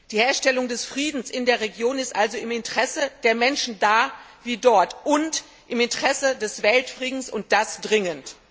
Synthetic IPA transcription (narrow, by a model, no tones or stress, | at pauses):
d̥iːheːɐʃtɛlʊŋdɛsfʁ̥iːdn̩sʔɪndeːɐʁeɡjoːnɪstʔalzoɪmɪntəʁ̥ɛsəd̥eːɐmɛnʃn̩daːviːdɔɐtʔʊnt | ʔɪmɪntəʁɛsədɛsv̥ɛltfʁ̥iːdn̩sʊnt̚d̥asd̥ʁɪŋənt